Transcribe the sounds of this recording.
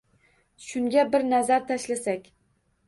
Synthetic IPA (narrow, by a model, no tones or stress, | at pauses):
ʃʊŋɡʲabɪɾnazaɾt̪ʰaʃlasakʲ